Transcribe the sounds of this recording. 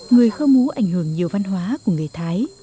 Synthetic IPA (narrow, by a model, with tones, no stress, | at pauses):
ŋɨ˨˩əjxə˧mmu˨˦ʔa̰˧˩jŋ̟hɨ˧˩əŋɲi˨˩əwva˧nɦwaː˨˦ku˧˩əŋe˨˩t̪ʰaː˨˦j